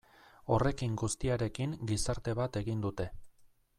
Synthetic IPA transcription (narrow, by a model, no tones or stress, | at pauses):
o̞re̞kiŋɡust̪iaɾe̞kiŋɡisaɾt̪e̞βat̪e̞ɣind̪ut̪e̞